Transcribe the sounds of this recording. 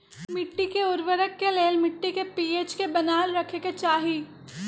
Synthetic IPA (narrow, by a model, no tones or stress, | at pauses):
mɪʈːikeʊɾʋəɾəkːeleːlmɪʈːikepiːeːt͡ʃkebɐnaːlɾɐkʰeket͡ʃaːɦiː